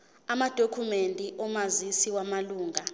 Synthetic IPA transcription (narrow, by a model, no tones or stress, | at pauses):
amad̥ʱokʰumentʼiʔɔmazisiwamaluːŋa